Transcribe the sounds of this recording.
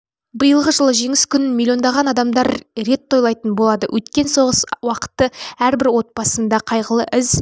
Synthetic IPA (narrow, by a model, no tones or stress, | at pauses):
bəjəlˠʁəʒəlˠəʒe̞ŋɪskʲʰʏnɪnmʲilʲːio̞nd̪ɑʁɑnɑd̪ɑmd̪ɑɾɾe̞t̪ʰːo̞jlˠɑjt̪ənbolˠɑd̪əwʔɵt̪kʲe̞nso̞ʁəswɑqə̥t̪ːəæɾbɪɾwo̞t̪̚pɑsənd̪ɑqʰɑjʁəlˠə̰ʔɪz